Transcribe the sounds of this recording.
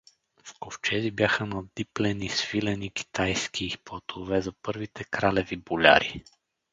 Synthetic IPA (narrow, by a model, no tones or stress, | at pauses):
fkoft͡ʃɛzibjaxənɐd̪iplɛnisvilɛniki̥t̪ajskʰipɔt̪ʰovɛzɐpɤɾvit̪ʰɛkɾalɛvibolʲa̰ɾḭ